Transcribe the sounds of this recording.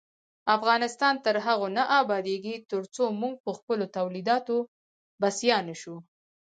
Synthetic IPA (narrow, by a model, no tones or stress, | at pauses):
afɣɑnɪst̪ɑnt̪əɾɦaɣonaʔɑbɑd̪eɡit̪əɾt͡somuŋɡ̚pəxpəlot̪awlid̪ɑt̪o | basjɑnaʃu